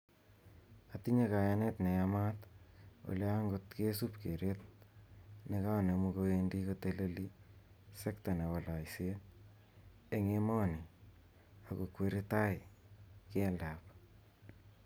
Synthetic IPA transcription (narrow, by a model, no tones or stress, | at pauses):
atiɲekajanetnejamato̰laŋɡotkesupkeɾet̚ | nekanemukoendikoteleli | sektanewalaiset | eŋemɔni | akokweɾitajkendap